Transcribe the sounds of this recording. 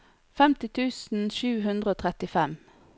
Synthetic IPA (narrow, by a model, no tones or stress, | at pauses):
fɛmt̪ɪt̪ʰʉːsn̩ʃʉːɦʉnd̪ʁəoːt̪ʰʁɛt̪ɪfɛm